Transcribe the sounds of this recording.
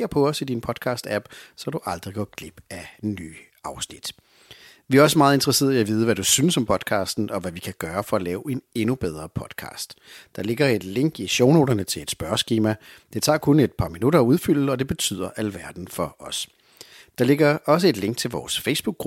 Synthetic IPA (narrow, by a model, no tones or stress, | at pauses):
ɐpʰɒ̽ɒ̽sid̥inpʰɒ̽d̥̚kʰɑ̰̈ːsd̥æb̥sɒ̽d̥uʔɑ̈ld̥ʁiɡ̥ɒɡ̥ʰleb̥ænːy̰ː | ɑ̈ʊsnid̥ | ʋiæɐɒ̽səmɑ̈ːð̩ˠe̝nd̥ʁɐse̝̰ːðɐiæʋiːð̞ˠəʋæd̥usynəsɒ̽mpʰɒ̽d̥kʰɑ̈ːsd̥n̩ʔɒ̽ʋæʋikʰæɡ̥ɶːɐfɒ̽ɒlɛːʊe̝ne̝nub̥eð̞ˠʁɐpʰɒ̽d̥kʰɑ̰̈ːsd̥d̥ɑ̈le̝ɡ̥ɐe̝d̥le̝ŋ̰ɡ̥iɕoʊno̝ːdɐnət͡sʰe̝le̝d̥sb̥ɶɐsɡ̥iːmæd̥e̝t͡sʰɑ̰̈ːkʰɔne̝d̥̚pʰɑ̈minuɾɐːuð̞ˠfyl̰l̩ɒ̽d̥e̝b̥e̝t͡sʰy̰ð̰ˠɐʔælʋæɐd̥n̩fɒ̽ʔɒ̽s | d̥ɑ̈le̝ɡ̥ɐɒ̽s̬əe̝d̥le̝ŋɡ̥̚t͡sʰe̝lʋɒ̰ːsfeɪsb̥uɡ̥ʁub